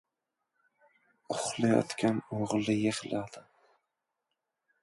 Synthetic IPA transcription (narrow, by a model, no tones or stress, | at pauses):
ʊχlˠajɒ̰t̪kʲʰanoʁlˠɪjeχlad̪ɪ